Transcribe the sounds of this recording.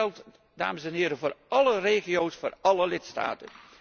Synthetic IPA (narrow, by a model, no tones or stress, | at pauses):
ɛlˠt | da̰ːməsɛnɦɪːɾəvʊːrɑləreːχiowsfʊːrɑləlɪtsta̰ːtən